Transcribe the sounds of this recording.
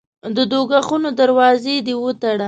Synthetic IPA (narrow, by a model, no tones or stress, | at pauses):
d̪əd̪oɡaxunod̪aɾwɑzed̪ewət̪aɽa